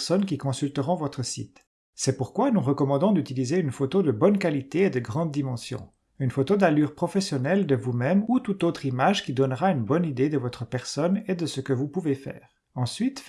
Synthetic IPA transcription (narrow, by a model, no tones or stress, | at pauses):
sɔnkʲikɔ̃sylt̪əʁɔ̃vɔt̪χəsḭt̪ | sɛpuʁkwanuʁəkɔmɑ̃d̪ɔ̃d̪yt̪ilizeynfot̪od̪əbɔnkalit̪eːd̪əɡʁɑ̃d̪̚ːimɑ̃sjɔ̰̃ | ynfot̪od̪alyʁpχɔfɛsjɔnɛld̪əvumɛmut̪ut̪ot̪χimaʒkʲid̪ɔnʁaynbɔnid̪ed̪əvɔt̪χəpɛʁsɔned̪əsəkəvupuvefɛ̰ːʁ | ɑ̃sɥit̪